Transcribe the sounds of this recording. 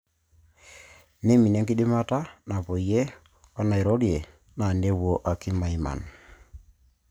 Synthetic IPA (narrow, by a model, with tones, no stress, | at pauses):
ne˦mi˨ne˨˦ŋɡi˦ɗɪ˦ma˦ta˦na˨po˨i˨je˦ | wa˦na˨e˨ɾɔ˦ɾje˨ | na˨ne˦wwo˦ʔa˨ki˦ma˨˦i˨ma̰˨n